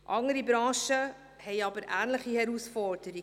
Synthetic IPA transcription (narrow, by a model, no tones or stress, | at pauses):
ʔɑŋəɾibɾɑ̃ːʃə | hɛɪɑbəɾʔæːnləχihɛɾusfɔɾd̥əɾi